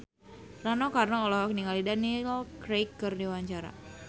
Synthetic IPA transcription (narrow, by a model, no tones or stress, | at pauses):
ranokarnaɔlɔɦɔkniŋalidanikɾejkːərdiwaɲt͡ʃaɾa̰